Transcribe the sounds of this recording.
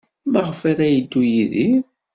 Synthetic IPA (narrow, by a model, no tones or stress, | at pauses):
maʁfæɾæjəd̪ːujiði